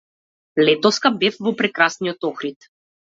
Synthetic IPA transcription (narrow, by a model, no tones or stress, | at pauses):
lɛt̪ɔfskabɛfvɔpɾɛkɾasnijɔt̪ɔxɾit̪